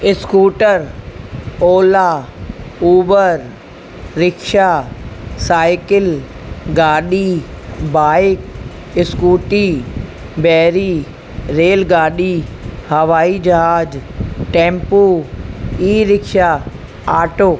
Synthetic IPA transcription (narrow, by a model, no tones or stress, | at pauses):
ɪskuːʈəɾ | oːla | uːbəɾ | ɾɪkʃa | saːɪkɪl | ɡaːɗibaːɪk̚ | ɪskuːʈi | bɛːɾiː | ɾeːlɡaːɗiːhɐʋaːid͡ʒɐɦaːd͡ʒʈẽːmpuː | iːɾɪkʃa | aːʈoː